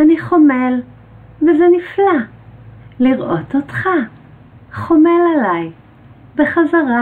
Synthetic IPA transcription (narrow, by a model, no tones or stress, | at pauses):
aniχo̞mel | vezenifla | liʁʔo̞totχa | χome̞lalaj | beχazaʁa